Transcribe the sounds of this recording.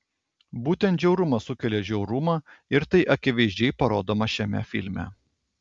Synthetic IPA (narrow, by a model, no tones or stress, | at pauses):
buːt̪ʲɛnt̪d͡ʒʲɛʊɾʊmɐsʊkʲɛlʲeːʒʲɛʊɾʊmɑːɪɾt̪ɐɪʔɐkʲɪʋʲɛɪʒʲd͡ʒʲɛɪpɐɾoːd̪oːmɐʃʲɛmʲɛ̰fʲɪ̰lʲmʲæ̰